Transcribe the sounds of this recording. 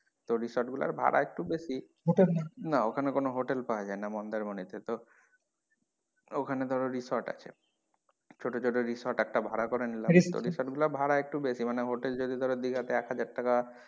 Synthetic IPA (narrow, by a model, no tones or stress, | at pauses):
t̪oɾisaɾʈɡula̰ɾbʱa̰ɽa̰ek̚ʈubesi | ɦoʈelnanaokʰanekonoɦoʈelpawad͡ʑaenamɔnd̪eɾmonit̪et̪o | okʰaned̪ʱɔɾoɾisaɾʈa̰t͡ɕʰḛ | t͡ɕʰoʈot͡ɕʰoʈoɾisaɾʈɛk̚ʈabʱaɽakɔɾenilaɾit̪o̰ɾisaɾʈɡulaɾbʱaɽaek̚ʈubeʃimaneɦoʈeld͡ʑod̪ʱid̪ʱɔɾed̪iɡʱat̪eɛkɦad͡ʑaɾʈaka